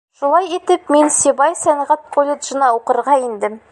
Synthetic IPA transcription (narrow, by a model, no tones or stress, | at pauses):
ʃulˠɑjit̪ɘpminsʲibɑjsænʁæt̪̚kʰolʲɪd̪ʒɤ̆nɑuqɤ̆ɾʁɑind̪ɘm